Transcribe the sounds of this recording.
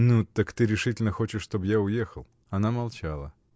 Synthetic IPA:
nut̪əkt̪ɨɾʲɪʂɨt̬ʲɪlʲnəxot͡ɕɪʂʂt̪objaʊjexəlˠ | ɐnamɐlˠt͡ɕalˠə

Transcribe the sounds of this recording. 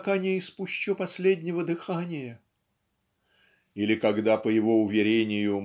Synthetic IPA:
kanʲɪɪspʊɕːopɐsʲlʲedʲnʲɪvəd̪ɨxanʲɪjə | ilʲɪkɐɡd̪apəjɪvoʊvʲɪɾʲenʲɪjʊ

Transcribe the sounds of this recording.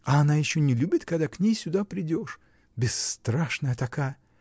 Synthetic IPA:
ɐɐnajɪɕːonʲɪlʲubʲɪt̪kɐɡd̪aknʲejsʲʊd̪apɾʲɪdʲo̞ʂ | bʲɪsːt̪ɾaʂnəjət̪ɐkajə

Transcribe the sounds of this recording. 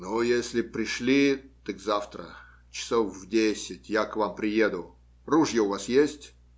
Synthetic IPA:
nojesʲlʲɪpɾʲɪʂlʲit̪ɨkzaft̪ɾə̰ | t͡ɕɪ̥sofvdʲesʲɪtʲjakvampɾʲɪjed̪ʊ | ruʐjəʊvasjesʲtʲ

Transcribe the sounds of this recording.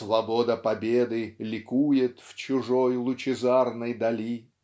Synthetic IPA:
svɐbod̪əpɐbʲed̪ɨlʲɪkujɪt̪ft͡ɕʊʐojlˠʊt͡ɕɪzarnɨjd̪ɐlʲi

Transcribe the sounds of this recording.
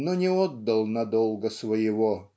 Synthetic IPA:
nonʲɪɔd̪ːɐlˠnɐd̪olˠɡəsvəjɪvo

